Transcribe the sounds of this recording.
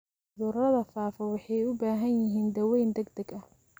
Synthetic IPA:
ʊðʊrɐðɐfaːfɔwɑħɑjʊbaːɦɐnjɪɦiːnd̪ɐwɛjnd̪ɐɡd̪ɐɡɐh

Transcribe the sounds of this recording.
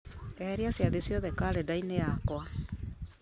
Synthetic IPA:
ɛɛɾiasjaðesjɔðɛkaɾɛdainejakwa

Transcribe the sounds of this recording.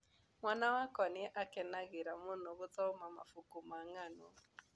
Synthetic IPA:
mwanawakɔnɪʔakɛnaɣɪɾamonoɣʊt͡sɔmama̰fukumaŋano

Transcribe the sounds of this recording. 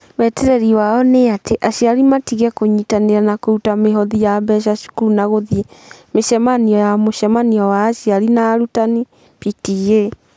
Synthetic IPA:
wɛtɛɾɛɾiwaɔneateʔaɕiaɾimatiɣɛkoɲitaneɾanakoutameɦɔðijabɛʃ̬aʃu̥kuɾunaɣoðiemeʃɛmaniɔjamoʃɛmaniɔwaːʃiaɾinaɾutani | pitije

